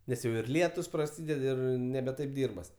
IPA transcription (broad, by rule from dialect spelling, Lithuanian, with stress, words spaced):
nʲɛs ˈjɛʊ ɪr ˈlʲiɛtʊs prɐˈsʲiːdʲɛt ˈɪr nʲɛbʲɛ ˈtɐɪp ˈdʲiːrbɐs